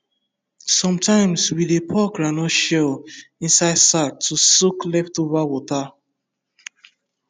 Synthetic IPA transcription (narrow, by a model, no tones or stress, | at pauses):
sɔ̃mtʰãɪ̃mswidepʰɔkɹãnɔʃɛlĩnsaɪdsatʰːusuklɛftovawɔta